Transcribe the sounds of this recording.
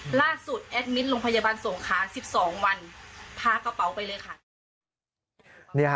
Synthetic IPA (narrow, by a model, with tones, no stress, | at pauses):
laː˥˩su˨˩t̪̚ʔɛ˦˥t̪̚mi˦˥t̪̚loː˧ŋpʰa˧ja˧baː˧nso˩˦ŋkʰaː˩˦si˨˩p̚sɔː˩˦ŋwa˧np̪ʰaː˧ka˧pa˩˦wpa˧jlɤː˧jkʰa˧˩ | ni˧˥˩